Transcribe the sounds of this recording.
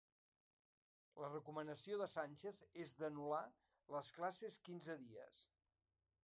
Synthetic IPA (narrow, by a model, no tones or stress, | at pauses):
lərəkumənəsioðəsanʲt͡ʃeθezd̪ənula | ləsklaseskinzəðiə̰s